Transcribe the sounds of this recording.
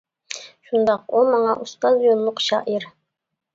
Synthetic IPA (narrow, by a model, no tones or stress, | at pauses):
ʃund̪ɑqumɑɴɑʔust̪ɑzjonˠlˠʊqʃɑʔiɾ